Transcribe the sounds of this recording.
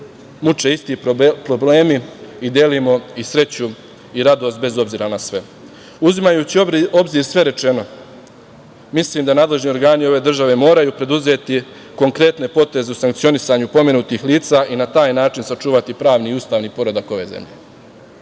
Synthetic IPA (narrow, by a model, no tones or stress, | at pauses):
mut͡ʃe̞ist̪ipɾo̞ble̞ːmiid̪jelimo̞isɾe̞t͡ɕu | iɾad̪o̞st̪̚be̞zo̞bziːɾanasʋe̞̰ | uzimajut͡ɕio̞bziːɾsʋe̞ɾe̞t͡ʃe̞no̞ | misliːmd̪anaːd̪le̞ʒnio̞ɾɡaːnio̞ʋe̞ːd̪r̩ʒaʋe̞mo̞ːɾajuːpɾe̞d̪uze̞ːt̪i | ko̞ŋkɾe̞t̪ne̞po̞t̪e̞ze̞usaŋkt̪sio̞nisaːɲupo̞menut̪iːxlˠiːt̪saːʔinat̪aːjnaːt͡ʃinsat͡ʃuːʋat̪ipɾaːʋniːust̪aːʋniːpo̞ɾo̞d̪ako̞ʋe̞̰ːzḛmʎḛ